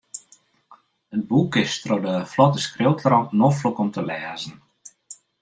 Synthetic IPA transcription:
ət̚bukɪstrodəflɔtəskrɪwtəɾɔknoflokɔmtʰəlɛːzən̩

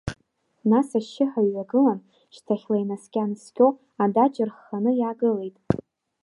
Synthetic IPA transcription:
nasaʃːɪħaɥːaɡɨlan | ʃtʰaχʲlajnaskʲʼanskʲʼo | adad͡ʒʼɪrχːanɨjaːɡɨle̞jtʼ

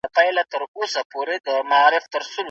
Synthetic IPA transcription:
apajlat̪əɾosapoɾed̪əmaɑːɾɪft̪əɾsʊl

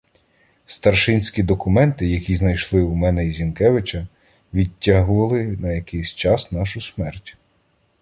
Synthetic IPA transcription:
st̪ɐrʃɪnʲsʲkʲid̪ɔkʊmɛnt̪ɪjɐkʲiznɐjʃlˠɪwmɛnɛizʲinkɛʋɪt͡ʃɐ | ʋʲitʲːɑɦʊʋɐlˠɪnɐjɐkɪjsʲt͡ʃɑsnɑʃʊsmɛrtʲ

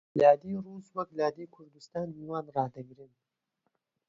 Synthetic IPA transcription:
lɑːd̪iɾuswaɡlɑːd̪ikʰʊɾd̪ɪst̪ɑːniwɑːnɾɑd̪aɡɾin

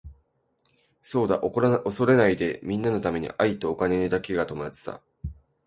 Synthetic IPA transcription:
so̞ːd̪aʔoɾoso̞ɾe̞naid̪e̞mʲĩnːano̞t̪ame̞ɲ̟ḭʔait̪o̞ːkane̞d̪ake̞ɡat̪o̞mazɨ̥t̪a̰

